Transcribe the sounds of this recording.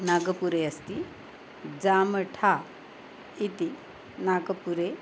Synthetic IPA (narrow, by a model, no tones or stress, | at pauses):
naɡəpuɾeəst̪i | d͡zaməʈʰa | it̪i | naɡəpuɾe